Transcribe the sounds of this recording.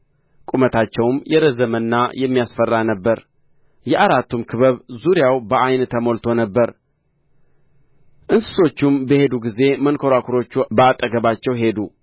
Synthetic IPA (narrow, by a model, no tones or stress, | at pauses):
kʼumət̪ʰat͡ʃːɛwmjɛɾəzəmɨnːajɛmːijasfərːanəbːəɾ | jɛʔaɾat̪ːumkʰɨβəβzuɾjawbəajnt̪ʰəmo̞lt̪ʰo̞nəbːəɾ | ʔɨnsɨ̥so̞t͡ʃːumbəhe̞d̪uɡize̞mənkʰoɾakʰuɾo̞t͡ʃːubəat̪ʼːəɡəβat͡ʃːɛwɦe̞d̪u